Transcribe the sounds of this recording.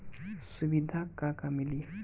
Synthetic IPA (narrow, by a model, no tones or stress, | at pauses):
subid̪ʱakakamili